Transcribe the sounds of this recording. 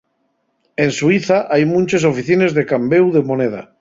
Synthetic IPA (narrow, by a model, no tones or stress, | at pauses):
enswiθaʔajmũnt͡ʃes̬ofiθinezðekambewðemoneð̞a̰